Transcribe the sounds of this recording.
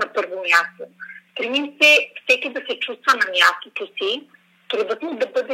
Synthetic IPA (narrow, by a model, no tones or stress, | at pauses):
nɐpɤɾvomʲjast̪op̪ɾimimsɛfsɛkʲid̪ɐsɛt͡ʃust̪vɐnɐmjast̪ot̪osi | t̪ɾɛd̪vət̪mud̪ɐbɤd̪ɛ